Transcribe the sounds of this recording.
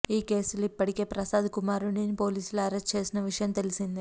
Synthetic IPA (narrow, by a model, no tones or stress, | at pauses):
iːke̞ːsulipːɐɽike̞ːpɾɐsaːd̪ʱkumaːɾuɳinipo̞ːliːsulɐɾest͡ʃe̞ːsinɐʋiʂɐjɐmt̪e̞lisind̪i